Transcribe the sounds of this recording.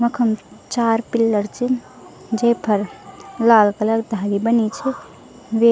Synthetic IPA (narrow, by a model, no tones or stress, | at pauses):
məkʰəmt͡ʃaɾpilːəɾt͡ʃin | d͡ʒepʰəɾlalkələɡd̪ʱalibənit͡ʃʰɛ | ʋe